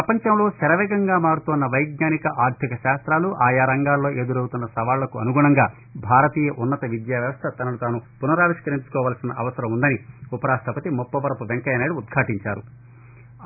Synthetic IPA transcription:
pɾɐpɐɲt͡ʃɐmlo̞ːsɐɾɐʋɛːɡɐŋɡaːmaːɽut̪uːnːɐʋɐjɡɲaːnikɐʔaːɾd̪ʱikɐʃaːst̪ɾaːluʔaːjaːɾɐŋɡaːlːo̞ːʔe̞ːd̪uɾɐwut̪unːɐsɐʋaːlulɐkuɐ̰nuɡuɳɐŋɡaː | bʱaːɾɐt̪iːjɐʔunːɐt̪ɐʋid̪jaːʋjɐʋɐst̪ʰɐt̪ɐnɐlut̪aːnupunɐɾaːʋiʃkɐɾiɲt͡ʃu̥kɔːʋaːlsinɐʔɐʋɐsɐɾɐmund̪ɐniupɐɾaːst̪ʰɐpɐt̪imɔpːɐʋɐɾɐpuʋeŋkɐjɐnaːɽuːd̪̚ɡʰʱaːʈiɲt͡ʃaːɾṵ

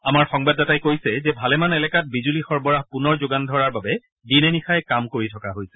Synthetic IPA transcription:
amaɹxɔŋbadatajkojsɛzɛbʱalɛmanɛlɛkat̚bizulixɔɹbɔɹaɦpunɔɹzoɡandʱɔɹaɹbabɛ | dinenixajɛkamkoɹitʰɔkaɦojsɛ

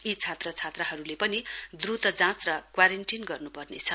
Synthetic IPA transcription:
it͡sʰat̪rʌt͡sʰat̪raɦʌɾulepʌnid̪rut̪ʌd͡zãt͡srʌkwaɾeɳʈinɡʌrnupʌrnet͡sʰʌ

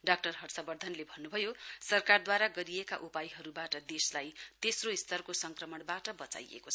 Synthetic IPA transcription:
ɖak̚ʈʌrɦʌrsʌbʌrd̪ʱʌnlebʱʌnːubʱʌjosʌrkard̪waɾaɡʌɾieka̰ʔupajɦʌɾubaʈʌd̪eslajt̪esroist̪ʰʌrkosʌŋkrʌmʌɽbaʈʌbʌt͡sa̰jḛkot͡sʰʌ

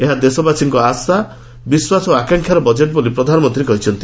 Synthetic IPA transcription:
eɦad̪esɔbasiŋkɔasa | biswasɔoakaŋkʰjaɾɔbɔd͡ʒeʈ̚bolipɾɔd̪ʱanɔmɔnt̪ɾikɔɦit͡ʃʰɔnt̪i

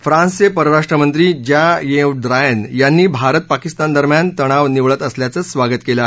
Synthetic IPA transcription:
fɾãnsəpəɾəɾaʂʈɾəmənt̪ɾiːd͡ʑajeʋɖɾajənjanːiːbʱaɾət̪̚pakist̪and̪əɾmjant̪əɽ̃aʋniʋɭət̪əsljat͡səsʋaɡət̪kela

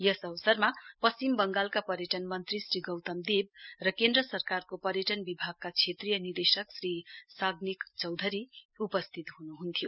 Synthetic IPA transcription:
jʌsʌwsʌrmapʌst͡simbʌŋɡalkapʌɾjʌʈʌnmʌnt̪risriɡʌwt̪ʌmd̪eb̚rʌkend̪ɾʌsʌrkarkopʌɾjʌʈʌnbibʱaɡ̚kat͡sʰet̪rijʌnird̪esʌksrisaɡnikt͡sʌwd̪ʱʌɾiupʌst̪ʰit̪ɦunuɦunt̪ʰijo

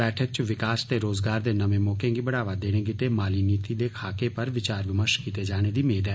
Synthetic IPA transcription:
ɛːʈʰək̚t͡ʃʋɪkaːst̪eːɾoːzɡaːɾd̪eːnəʋẽːmɔːkẽɡibəɽaːʋad̪eːɽ̃eːɡɪt̪eːmaːliːniːt̪id̪eːkʰaːkeːpəɾʋɪt͡ʃaːɾʋɪməɾʃkiːt̪ed͡ʒaːɽ̃eːd̪iːmeːd̪ɦɛː

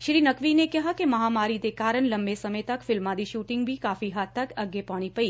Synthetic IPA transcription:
ʃɾinəkʋinekəɦakeməɦamaɾit̪ekaɾəɳləmbesəmet̪akfɪlmãd̪iʃuʈɪŋɡbʱikafiɦat̪ːakəɡepaɽ̃ipəi

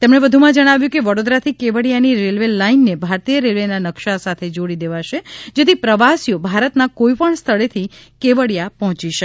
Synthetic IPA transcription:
t̪emɽebəd̪ʱumãd͡ʒəɽ̃aʋjũkeʋəɽod̪ɾat̪ʰikeʋəɽjaniɾelʋelainːebʱaɾt̪ijəɾelʋenanəkʃasat̪ʰed͡ʒoɽid̪eʋaʃed͡ʒet̪ʰipɾəʋasijobʱaɾət̪nakoipəɳst̪ʰəɭet̪ʰikeʋəɽjapɔɦɔ̃t͡ʃiʃək

